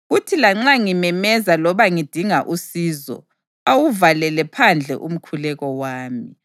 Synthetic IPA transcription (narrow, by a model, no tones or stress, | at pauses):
ɣutʰilaŋ͡ǁaŋimɛmɛzalɔβaŋid̥ʱiŋaʔusiːzɔ̰ | awuvalɛlɛpʰand͡ɮʱɛ̰ʔum̩kʰulɛɣɔwaːmi